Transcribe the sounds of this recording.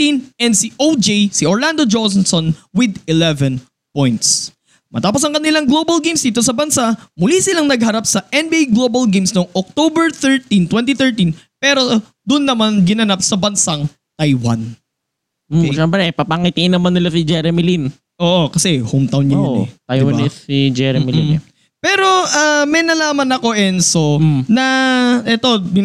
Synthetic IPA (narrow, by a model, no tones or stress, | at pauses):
t̪inʔɛnd̪siʔowd͡ʒejsɪʔoɹland̪od͡ʒosnsonwɪd̪ɪlɛvɛn | pojnt̪s | mɐt̪aːpos̬ɐŋkɐnɪlaŋɡlobɐlɡejmsd̪iːt̪o̞sɐbɐnsaʔmʊlisɪlaŋnɐɡ̚hɐɾapsɐʔɛnbiʔejɡloːbɐlɡejmsnoŋʔok̚t̪oːbɛɹθɛɹt̪int̪wɛnt̪iθɛɹt̪inpɛːɾo̞ | d̪ʊnːɐmanɡɪnɐnap̚sɐbɐnsaŋ | t̪ajwa̰n | ʃɛmpɾɛpɐpaŋit̪ɪʔɪnːɐmanːɪlasɪd͡ʒɛɾɛmɪlin | ʔo̞ːʔo̞kɐsɛhowmt̪awnɲɐɛ̰t̪aj̪wɐb̪ɛsid͡ʒɛɾɛmɪlḭ | pɛːɾo̞ʔamɛjnɐlaːmɐnɐko̞ʔɛnsonɐʔɛt̪o̞bɪ